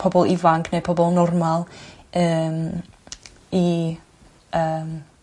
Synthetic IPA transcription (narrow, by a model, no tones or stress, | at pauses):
pʰɔbɔlˠɪvaŋkʰnepʰɔbɔlˠnɔrmalˠəːm | i | əːm